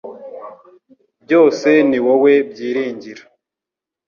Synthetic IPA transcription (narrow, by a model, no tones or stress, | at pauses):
bjo̞ːse̞niwowe̞bjiːɾiːɲɟiɾa